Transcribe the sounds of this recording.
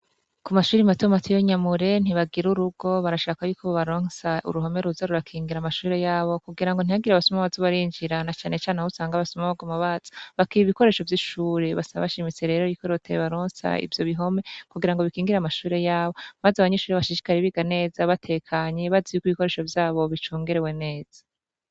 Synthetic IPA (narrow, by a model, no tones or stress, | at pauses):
kumaʃuːɾimatomatijoɲamuɾe̞n̥iβaɡiɾuɾuɡo̞βaɾaʃaːkajukʰoβoβaɾoːnsaʔṵɾuɦo̞me̞ɾuzaɾuɾakʰiːŋɡiɾamaʃuːɾe̞jaːβo̞kuɡiɾaŋɡon̥iaɡiɾaβasumaβazoβaɾiːɲd͡ʒiɾanat͡ʃaːne̞t͡ʃaːneusaːŋɡaβasomaβaɡomaβaz̥ḁβakiiβiko̞ɾe̞ːʃo̞vjiʃuːɾe̞βasaβa̰βaʃimit͡se̞ɾe̞ːɾojikoɾotʰeβaɾoːnsa̰ḭvjo̞βiɦo̞me̞kuɡiɾaŋɡo̞βikiːŋɡiɾamaʃuːɾe̞jaːβo̞mazaβaɲeʃuːɾeβaʃiʃi̥kaɾeβiɡane̞ːzaβatʰe̞kʰaɲe̞βazijukuiβiko̞ɾe̞ːʃo̞vjaːβo̞βit͡ʃuːŋɡe̞ɾewe̞ne̞ːz̥a